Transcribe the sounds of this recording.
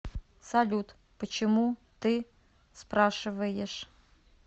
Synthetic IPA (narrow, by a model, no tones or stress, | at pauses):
sɐlʲut̪ | pət͡ɕɪmut̪ɨ | spraʂɨvɐjɛʂ